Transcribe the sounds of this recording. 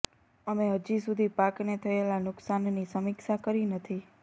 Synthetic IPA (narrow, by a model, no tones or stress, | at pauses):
əmeɦəd͡ʒisud̪ʱipaknet̪ʰəelanʊksannisəmiksakəɾinət̪ʰi